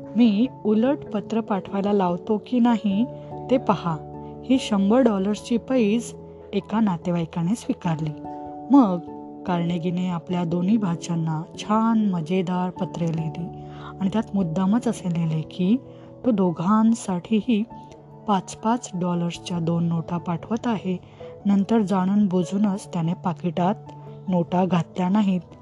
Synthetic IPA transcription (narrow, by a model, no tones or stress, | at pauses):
miːuləʈpət̪ɾəpaʈʰʋajlalaʋt̪okiːnaɦit̪epəhahiːɕəmbəɾɖɔləɾst͡ɕiːpəiːd͡z | ekanat̪eʋaekañesʋikaɾliːməɡ | kaɾɳeɡineapljad̪oniːbʱaɕanːat͡ɕʰanməd͡ʑed̪aɾpət̪ɾeleliːaɽ̃it̪jat̪mud̪ːamət͡səseleleki | t̪od̪oɡʱansaʈʰiɦiː | pat͡spat͡sɖɔləɾst͡ɕjad̪onːoʈapaʈʰʋət̪aɦe | nənt̪əɾd͡zaɽ̃əːnbod͡zuːnəst̪janepakiʈat̪̚noʈaɡʱat̪ljanaɦit̪